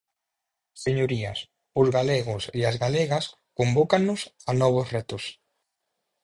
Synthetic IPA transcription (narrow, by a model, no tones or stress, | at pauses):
seɲoɾiɐ̰s | ʊzɣaleɣʊseazɣaleɣɐs | kombɔkanːʊsanɔβ̞ʊsrɛt̪ʊs